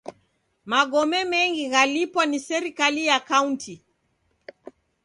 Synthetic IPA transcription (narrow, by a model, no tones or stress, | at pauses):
maɠɔmɛmɛŋɡiɣalipwanisɛɾikalijakaunti